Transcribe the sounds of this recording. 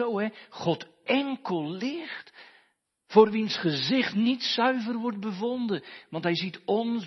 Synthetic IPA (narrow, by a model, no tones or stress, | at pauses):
owɦɛχɔt | ɛŋkəlˠlɪχt | foːrʋinsχəzɪχtnitsœɥvərʋɔrd̚bəvɔndənʋɑntɦɛjzitɔn